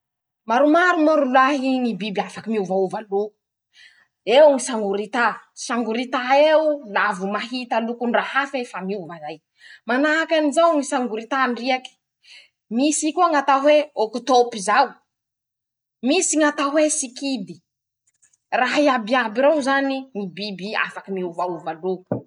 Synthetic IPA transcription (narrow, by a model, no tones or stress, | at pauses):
maɾumaɾumoɾulaɦiŋibibiafakimiuvauvaluu̥ | ewŋisaŋɡuɾit̪asaŋɡuɾit̪aewulavumaɦit̪alukunrahafefamiuvazaj | manaakʲanizawŋisaŋɡuɾit̪anriaki̥ | misikuaŋat̪aɦweokut̪opizau | misiŋat̪aɦwesikid̪i | raɦiabiabiɾewzaniŋibibia̰fakimiuvauvalu